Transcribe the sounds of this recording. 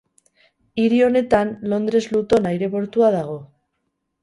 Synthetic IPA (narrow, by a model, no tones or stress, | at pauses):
iɾio̞ne̞t̪anlo̞nd̪ɾe̞zlut̪o̞najɾe̞βo̞ɾt̪uaðaɣ̞o̞